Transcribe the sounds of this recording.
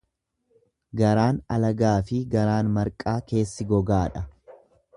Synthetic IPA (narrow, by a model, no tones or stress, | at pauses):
ɡɐɾaːnɐlɐɡaːfɪɡɐɾaːnmɐɾkʼaːke̞ːsːɪɡɔɡaːᶑɐ